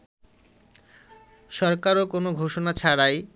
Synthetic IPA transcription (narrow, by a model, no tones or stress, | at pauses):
ʃɔɾkaɾokonoɡʱoʃonat͡ɕʰaɾaj